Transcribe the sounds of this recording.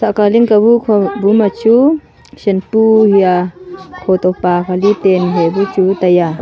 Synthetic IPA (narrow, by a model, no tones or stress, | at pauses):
saʔkaliŋkabukʰɔbumat͡ʃu | sɛnpuhiakʰɔt̪ɔpakʰalit̪enɦebut͡ʃut̪aja